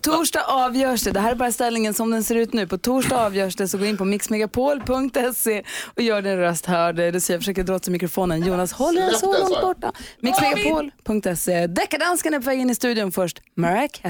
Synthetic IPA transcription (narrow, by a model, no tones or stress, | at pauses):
t̪ʰuːʂɖɑːʔɑːvjœːʂɖɛd̪ɛɦæːɾɛɾbɑːɾast̪ɛlnɪŋənsɔmd̪ɛnseːɾʉ̟ːt̪nʉ̟ːpʰɔt̪ʰuːʂɖaɑːvjœːʂʈɛsɔɡoːɾɪnpʰɔmɪksmɛɡapʰoːlpʰɵŋkt̪ɛseɔjœːɖɪnɾœst̪hœːɖɛd̪ɛsɔjaːfəʂøːkəd̪ɾɔt̪ːsamɪkɾʊfoːnənjuːnashɔlːsɔlɔŋt̪̚bɔʈːamɪksmɛɡapʰoːlpʰɵŋkt̪ɛsed̪ɛkːaɖanskanɛpʰɔvɛːɡɪnːɪst̪ʉ̟ːd̪ɪʊnfœʂʈmɛɾɛk